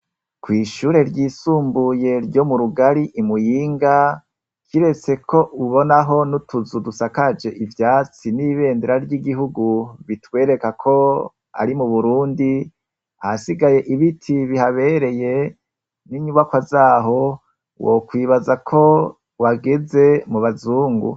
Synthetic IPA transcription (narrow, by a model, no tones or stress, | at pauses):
kwiːʃuːɾe̞ɾɟiːsuːmbuje̞ɾɟo̞muɾuɡaɾiʔimujiːŋɡa | kiɾe̞t͡se̞kʰo̞ʔuβo̞naɦo̞nutuzudusakad͡ʒe̞ʔivjaːt͡siniβe̞ːndeɾaɾɟiɡiɦuɡuβitwe̞ːɾe̞kakʰo̞ | a̰ɾimuβuɾuːndi | hasiɡaje̞ʔiβitʰiβihaβe̞ɾe̞je̞ | niɲuβakwazaːɦo̞ | wo̰kwiːβazakʰo̞ | waɡe̞ze̞muβazuːŋɡṵ